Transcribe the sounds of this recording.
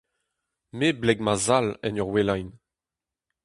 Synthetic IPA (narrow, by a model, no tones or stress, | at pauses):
meblɛɡmazalɛ̰nɔʁwelajn